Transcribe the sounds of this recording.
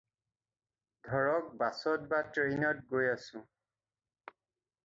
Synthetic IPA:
dʱɔɹɔk̚basɔt̚batɹenɔt̚ɡojasʊ̃

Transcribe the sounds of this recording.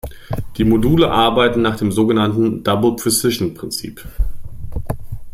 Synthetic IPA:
d̥iːmoduːləʔaɐbaɪtn̩naːχd̥eːmzoːɡənantn̩d̥abl̩pʰʁ̥ɛsɪʃn̩pʁ̥ɪnt͡sḭːp

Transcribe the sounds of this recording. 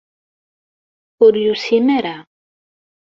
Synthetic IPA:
uɾjusimɛɾa

